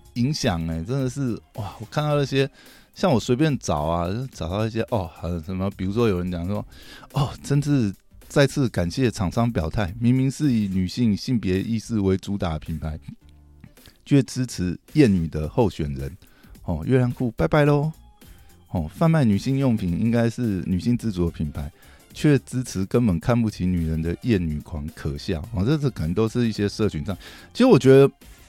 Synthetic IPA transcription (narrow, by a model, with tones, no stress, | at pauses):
i˧˦˥ŋɕjɑ˨˩ŋe˨˩ʈ͡ʂə˥nd̪ə˨ʂɻ̩˥˩wa˥˩wɔ˨˩kʰa˥˧nt̪ɑ˥˧ʊt͡sə˥˩ɕjɛ˥ | ɕjɑ˥˩ŋwɔ˨˩swe˧˥ɪp̬jɛ˥˨nt͡sɑ˨˩ʊa˨˥ʈ͡ʂɑ˨˩ʊt̪ɑ˥˧ʊi˥˩ɕjɛ˥ʔɔ˥˩˨ʂə˨˩mə˧pi˨˩u˧˥ʂwɔ˥jo˨˩ə˧˦nt͡ɕjɑ˨˩ŋswɔ˦ɔ˥˨˩ʈ͡ʂə˦˥nt͡s̩˥˧ | t͡sa˥˧ɪt͡s̩ʰ˥˩ka˨˩nɕjɛ˥˨ʈ͡ʂʰɑ˨˩ŋʂɑ˥ŋpjɑ˨˩ʊt̪ʰa˥˩ɪmi˧˥ŋmi˧˥ŋʂɹ̩˥˩i˨˩ny˨˩ɕi˥˩ŋɕi˥˩ŋpjɛ˧˥ʔi˥˧sɹ̩˥˩we˧˥ɪt͡su˧˥t̪a˨˩pʰi˨˥npʰa˧˦ɪ | t͡ɕʰɥɛ˥˩t͡sɻ̩˥t͡s̩ʰ˧˥jɛ˥˩ny˨˩d̪ə˦xo˥˩ʊɕɥɛ˨˩nɻə˨˦n | hɔ˨˩ɥʔɛ˥˩la˧˦nkʰu˥˩pa˥˧ɪpa˥˩ɪlo˧˦ | hɔ˥˩fa˥˧nma˥˩ɪny˨˩ɕi˥˧ŋjo˥˩ŋpʰi˨˩ŋi˦ŋka˥ɪʂɻ̩˥˩ny˨˩ɕi˥˧ŋt͡sɹ̩˥˩t͡su˨˦d̪ə˧pʰi˨˩npʰa˧˦ɪ | t͡ɕʰɥɛ˥˨˩t͡sɻ̩˥t͡sʰɻ̩˧˥kə˧˦npə˨˩nkʰa˥˧npu˥˩t͡ɕʰi˧˥ny˨˩ɻə˨˦nd̪ə˨jɛ˥˩ny˨˩kʰwa˧˥ŋkʰɤ˨˩ɕjɑ˥˩hɔ˨ʈ͡ʂɤ˥˧skʰə˨˩nə˧˦t̪o˥ʊʂɻ̩˥˧i˥˩ɕjɛ˥ʂɤ˥˨t͡ɕʰy˧˥nʂɑ˥˨˩ŋt͡ɕʰi˧˥ʂ̩˥wɔ˨˩t͡ɕɥɛ˧˦d̪ə˧